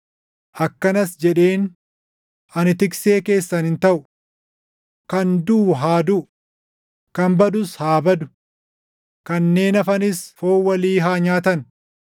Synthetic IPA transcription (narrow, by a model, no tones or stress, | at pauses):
ʔɐkːɐnɐsd͡ʒɛᶑe̞ːn | ʔɐnɪt̪ɪkse̞ːke̞ːsːɐnɪnt̪ɐʔʊ | kɐnd̪uːɦaːd̪ʊʔ | kɐmbɐd̪ʊshaːbɐd̪ʊ̥ | kɐnːe̞ːnɐfɐnɪsfoːwɐliːɦaːɲaːt̪ɐn